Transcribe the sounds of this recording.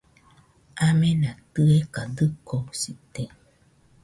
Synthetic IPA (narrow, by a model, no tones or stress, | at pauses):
amẽnãt̪ɨekad̪ɨkosit̪e